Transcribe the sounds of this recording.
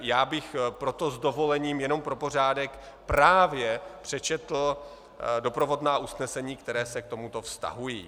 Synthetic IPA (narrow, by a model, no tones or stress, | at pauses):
jaːbɪxpɾo̞t̪o̞zdo̞vo̞lɛɲiːmjɛno̞mpɾo̞po̞r̝aːdɛk | pɾaːvjɛpr̝̥ɛt͡ʃɛt̪l̩ | do̞pɾo̞vo̞dnaːʔusnɛsɛɲiːkt̪ɛɾɛːsɛk̚t̪o̞mut̪o̞fst̪a̰ɦujiː